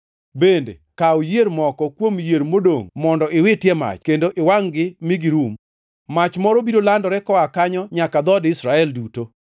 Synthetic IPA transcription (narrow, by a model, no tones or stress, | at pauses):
bendḛkaojeɾmɔkɔkwomjeɾmodoŋmɔndɔʔɪwɪtjɛma̰t͡ʃkendoʔɪwaŋɡɪmɪɡɪɾum | mat͡ʃmɔɾɔbiɾolandɔɾɛkɔakaɲɔɲakad̪ɔdɪsɾaɛlduto